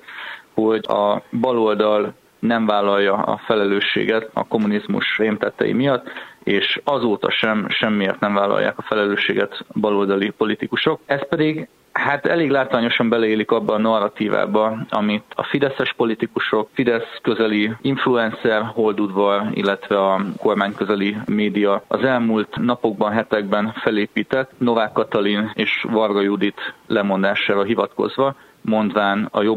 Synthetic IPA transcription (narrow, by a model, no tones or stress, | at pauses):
ho̞ɟɒ̰bɒlo̞ld̪ɒl | nɛɱvaːlːɒjːɒɒ̰fɛlɛløːʃːḛːɡɛt̪ɒ̰ko̞munizmṵʃreːmt̪ɛt̪ːɛ̰jḭmijɒt̪ːeːʃɒzoːt̪ɒ̰ʃɛmʃɛmːijɛt̪nɛɱvaːlɒ̰ja̰ːkɒfɛlɛløːʃːeːɡɛt̪bɒlo̞ld̪ɒlipo̞lit̪ikuʃo̞kɛspɛd̪iɡ | haːt̪ɛleːɡlaːt̪ʋaːɲo̞ʃɒmbɛlɛeːlikɒbːɒːnɒrɒt̪iːva̰ːbɒɒ̰mit̪ɒ̰fid̪ɛsɛʃpo̞lit̪ikuʃo̞kfid̪ɛskøzɛliiɱfluɛnsɛrɦo̞ld̪ud̪ʋɒrḭlːɛt̪ʋɛɒko̞rmaːɲkøzɛlimeːd̪ijɒɒzɛlmult̪nɒpo̞ɡ̚bɒnɦɛt̪ɛɡ̚bɛnfɛleːpiːt̪ɛt̪ːno̞vaːkːɒt̪ɒlineːʃvɒrɡɒjud̪it̪lɛmo̞nd̪aːʃaːvɒɦivɒt̪ko̞̰zʋɒ | mo̞nd̪vaːnɒ̰jo̞b